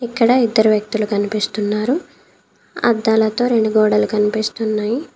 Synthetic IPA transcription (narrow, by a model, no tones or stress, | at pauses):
ikːɐɽɐid̪ːɐɾuʋjɐk̚t̪ulukɐnipist̪unːaːɾu | ɐ̰d̪ːaːlɐt̪o̞ːɾe̞ɳɖuɡɔːɽɐlukɐnipist̪unːaːji